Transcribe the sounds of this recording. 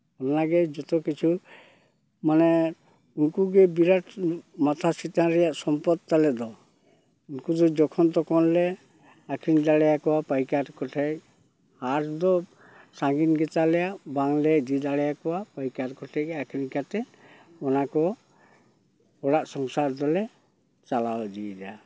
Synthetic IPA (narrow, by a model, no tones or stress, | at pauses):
ɔnaaɡɛd͡ʒɔt̪ɔkit͡ʃʰu | manɛ | unkuɡɛbiɾaʈʰmat̪ʰasit̪naɾɛjaʔsɔmpɔd̪̚t̪alɛd̪ɔ | unkud̪ɔd͡ʒɔkʰɔnt̪ɔkʰɔnlɛ | akʰɾind̪aɽɛjakɔwapajkaɾkɔʈʰɛk̚ | haɾʰd̪ɔ | saŋɡinɡɛt̪alɛjaʔbaŋlɛd͡ʒid̪aɽɛjakɔwapajkatkɔʈʰɛk̚akʰnikat̪ɛ | ɔnakɔ | ɔɽaʔsɔŋsaɾd̪ɔlɛ | t͡ʃalawd̪id͡ʒa